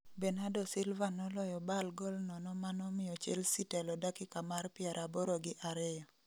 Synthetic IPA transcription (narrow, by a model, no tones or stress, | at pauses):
bɛnadɔsɪlvanɔlɔjɔbalɡɔlnɔnɔmanɔmɪjɔt͡ʃḛlsitɛlɔdakɪkamarpɪɛɾʔabɔɾɔɡɪʔaɾɛjɔ